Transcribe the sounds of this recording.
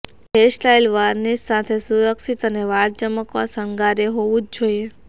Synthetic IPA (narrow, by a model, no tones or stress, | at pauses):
ɦesʈajlʋaɾnisat̪ʰesuɾəksit̪əneʋaɾd͡ʒəməkʋasəŋɡaɾeɦoʋũd͡ʒd͡ʒoie